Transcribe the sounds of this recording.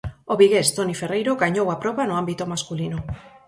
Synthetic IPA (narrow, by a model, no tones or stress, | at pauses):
oβiɣest̪oniferejɾoɣaɲowapɾoβanoambit̪omaskulino